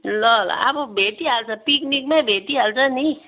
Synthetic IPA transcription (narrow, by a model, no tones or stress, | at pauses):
lɔlɔ̰a̰pobʱeʈ̪ialt͡ʃapiknikmẽbʱeʈ̪ialsanəi